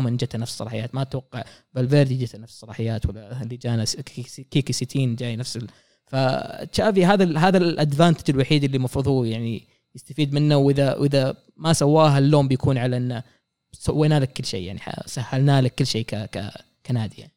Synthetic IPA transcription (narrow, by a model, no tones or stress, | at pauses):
mɪnd͡ʒat̪hanafssˤːɑlɑːħɪjaːt̪mat̪wɑqːɑʕbalveːɾd̪id͡ʒat̪hanafssˤːɑlɑːħɪjːaːt̪walːalid͡ʒaːnaskikisit̪ʰiːnd͡ʒaːjnafsɪ | faʃaːviɦaːðalɦaːðalʔad̪vaːnt̪ḁd͡ʒɪlwaħiːd̪ɪlːimɑfɾɨðˤuːjaʕni | jɪst̪afiːd̪mɪnːawʔɪðawʔɪða | masawːaːɦalːoːmbɪjakʰuːnʕalaʔɪnːa | sawːajnaːlakːɪlːʃḛːja̰ʕniħa̰sahːalnaːlakːɪlːʃeːkaka̰ | kanaːd̪ɪja̰